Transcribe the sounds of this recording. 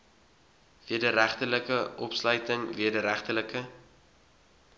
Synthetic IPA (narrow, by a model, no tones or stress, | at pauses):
viədəɾæχtələkəʔɔpslœɥtəŋviədəɾæχtələkə